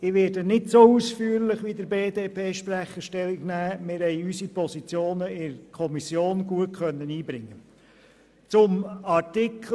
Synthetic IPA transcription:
ɪʋɪːɾdənɪdsousfyːəɾlɪχʋidəɾbeːdeːpʰeːʃpɾæχəʃtɛlɪɡnæːmɪːɾhɛɪysipɔsit͡sjoːnəɪɾkʰɔmisjoːnɡ̥uətkʰœnːəniːbɾɪŋːə | t͡sʊmɑɾtɪkʰ

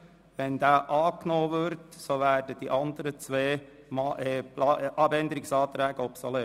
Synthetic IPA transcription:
ʋɛnd̥̪aːʔɑːknoːʋʏɾtsoʋæːrdəd̥iʔɑnd̪əɾət͡sʋeː | mɑʔɛplʔɑbɛnd̪əɾɪksɑːt̪ɾɛːɡ̥əɔpsɔle

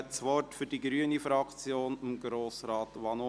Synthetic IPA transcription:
t͡sʋɔrtfʏɾd̥iɡɾyːənifɾɑkt͡sjoːnɪmɡɾoːsɾɑːtʋɑno

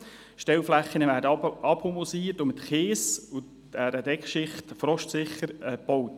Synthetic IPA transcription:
ʃtɛlflæχːənəʋæːɾdəɑphomosiːəɾtʊmɪt̪χeːsʊ | æɾədɛkχʃɪχtfɾɔʃtsɪχːəɾɛpɔwt

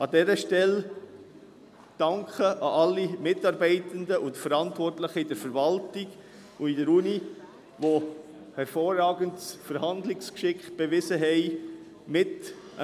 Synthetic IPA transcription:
ɑdɛɾəʃtɛl | d̥ɑŋkχəʔɑʔɑlːimɪtɑɾbɛɪtəndəʔʊntfəɾɑntʋɔrtləχəɪdəɾfəɾvɑltɪɡ | ʊidəɾuni | ʋo | hɛɾfɔːrːɑːɡəntsfəɾhɑnd̪lɪkskʃɪkχb̥evɪsəɦɛɪ | mɪt

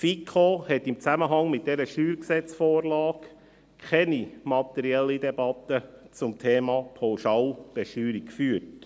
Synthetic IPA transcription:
fikʰohɛtːɪmt͡sæməɦɑŋmɪt̚d̥ɛɾəʃyːɾksɛt͡sfoːɾlɑːk | kʰɛnimɑt̪ɛɾiɛlːidɛb̥ɑt̪ət͡sʊmtʰeːmɑːpʰawʃɑːlb̥ɛʃyːɾikkfyːəɾt

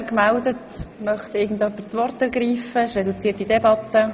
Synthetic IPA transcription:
kmældətmœχt̪ɪɡn̩dœpːət͡sʋɔrtɛɾɡɾiːfəʃɾɛdut͡siːtidɛbɑtːə

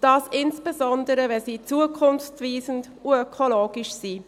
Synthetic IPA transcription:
d̥ɑːsɪnsb̥ezɔndəɾəvɛsiːt͡suəkʰʊnft͡sviːzənd | uœkʰoloːɡ̥ɪʃsiː

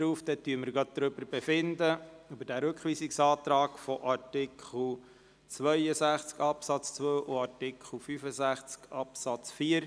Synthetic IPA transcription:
ɾuːfd̪ɛt̪yəməɾɡɑd̪̥̚d̪ɾʏbəɾb̥efɪnd̪əybəɾd̥æɾɵkχʋiːsiksɑːt̪ɾɑːkfɔʔɑɾtɪkχl̩ | t͡sʋœjəsæχt͡skɑpsɑt͡st͡sʋøːʔoɑɾtɪkχl̩fyfəsæχt͡skɑpsɑt͡sfiːəɾ

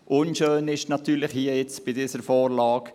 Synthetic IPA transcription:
ʔʊnʃøːnɪʃnɑt̪yːɾlɪχhiːəjɛt͡sb̥ɪdiːsəɾfɔːɾlɑːk

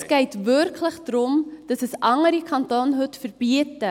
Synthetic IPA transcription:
skɛjtvœrkʰləχdɾɔmd̥ɐsəsɐŋərdikʰɐntɑːnɦʉtfərbiətə

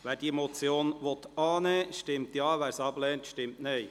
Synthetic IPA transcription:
ʋæːɾd̥iəmɔt͡sjoːnʋɔt̪ɑːnɛːʃtɪmtjɑːʋæːɾsɑb̥lɛːntʃtɪmtnɛj

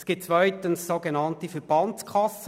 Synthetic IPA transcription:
sɡ̥iːp̚tt͡sʋœʏtənsːoɡenɑntifɛəɾb̥ɑntt͡skʰχɑs

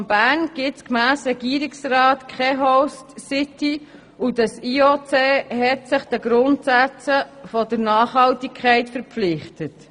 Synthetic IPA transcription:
mb̥æːnɡ̥ɪtskmæːsɾɛɡiːɾiksrɑːtkʰχɛɦɔstsɪti | udɑsiːot͡seːɦɛtsɪχd̥ɛɡɾʊntsæt͡səfɔdəɾnɑːχhɑltikʰχɛɪtfəɾpflɪχtət

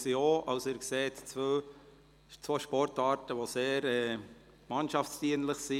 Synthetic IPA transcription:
sioɑʊsɪɾkseːtt͡sʋøː | t͡svoʃpɔɾtɑːɾtəʋoseːɾɛ | mɑnʃɑft͡sd̥iənləχsi

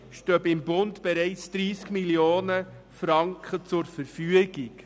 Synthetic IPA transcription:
ʃtøːbɪmbʊntb̥ɛɾɛɪt͡sd̥ɾiːskmiljoːnə | fɾɑŋkχət͡sʊɾfəɾfyəɡik

